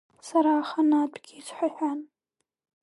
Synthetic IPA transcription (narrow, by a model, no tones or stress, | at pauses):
saɾaːχanatʷʰʼɡʲɪːzħʷaħᶣan